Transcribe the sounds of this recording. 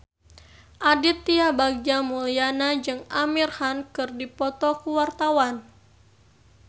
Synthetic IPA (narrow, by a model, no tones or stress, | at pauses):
ʔadit̪ːiabaɡ̚d͡ʒamulianad͡ʒɨŋamirhankɨrdipɔt̪ɔkuwart̪awan